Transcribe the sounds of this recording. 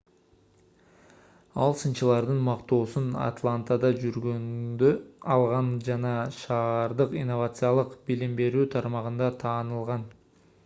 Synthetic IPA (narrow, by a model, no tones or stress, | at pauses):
ɑlˠsɯnt͡ʃɯlˠɑɾd̪ɯnmɑqt̪o̞ːsuna̰t̪lˠant̪ad̪ɑd͡ʒyɾɡønd̪øɑlˠʁɑnd͡ʒɑnɑʃɑːɾd̪ɯqinːo̞vat̪sɨjalˠɯqbilimbe̞ɾyːt̪ʰɑɾmɑʁɯnd̪ɑt̪ʰɑːnɯlˠʁɑn